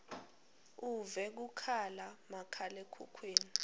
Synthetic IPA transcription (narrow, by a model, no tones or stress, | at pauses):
uvɛk̬ukʰalamakʰalɛkʰṵkʰweːni